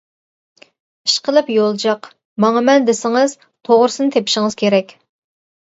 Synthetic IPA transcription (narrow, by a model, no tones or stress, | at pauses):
i̥ʃqʰəlˠɨpjolˠd͡ʒɑq | mɑŋɑmɛnd̪ɪsɪŋɨz̥ | t̪ʰoʁɾʊsɨnɨt̪ʰepiʃɪŋɨz̥kʲʰeɾɛkʲ